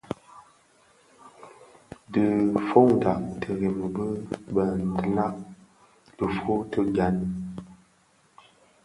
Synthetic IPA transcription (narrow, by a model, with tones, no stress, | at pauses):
dɨ˨fo˦ŋda˨ʔtʰə˨ɣe˨mə˨bə˦bə˨n˨tə˦˨la˦ʔ | d̥ə˨fo˦tə˦ɡa˨˦n˦